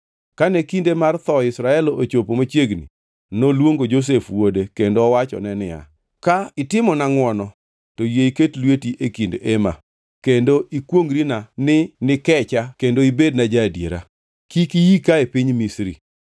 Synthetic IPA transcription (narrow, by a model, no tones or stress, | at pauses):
kanekindemart̪ɔɪsɾaɛloot͡ʃopomat͡ʃjeɡnḭ | nolwoŋɡod͡ʒos̬efwodekendoɔwat͡ʃɔ̰nɛnɪja̰ | kaɪtɪmɔnaŋwɔnɔ | tojeiketlwetiʔekindema̰ | kendoʔikwoŋɡɾinanɪnɪkɛt͡ʃakendoibednad͡ʒadjeɾa̰ | kikijikaepiɲmisɾḭ